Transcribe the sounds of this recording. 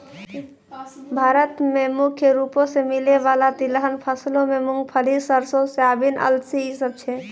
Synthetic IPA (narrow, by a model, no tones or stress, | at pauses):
bʱaɾət̪memukʰjəɾupõsemileʋalat̪iləɦənpʰəslõmemuŋɡpʰəɽisəɾsosabinʔə̰lsiisəb̚t͡ʃʰɛ